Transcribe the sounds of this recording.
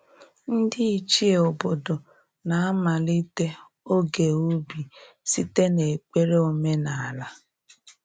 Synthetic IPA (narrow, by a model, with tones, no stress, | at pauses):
n̩˦dɪ˦i˦t͡ʃi˦e˨o˨bo˨do˨ | na˨a˦ma˨li˦te˦ | o˦ɡe˨u˦bi˨ | si˦te˦ne˨k͡pe˦ɾe˦o˨me˦na˨a˨la˦